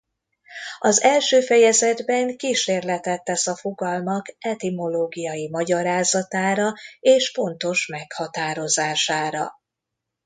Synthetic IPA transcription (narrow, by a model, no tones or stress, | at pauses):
ɒzɛlʃøːfɛjɛzɛd̪bɛŋkiʃeːrlɛt̪ɛt̪ːɛsɒfo̞ɡɒlmɒkɛt̪imo̞loːɡijɒjimɒɟɒɾaːzɒt̪aːɾɒeːʃfo̞nt̪o̞ʃmɛkhɒt̪aːɾo̞zaːʃaːɾɒ̰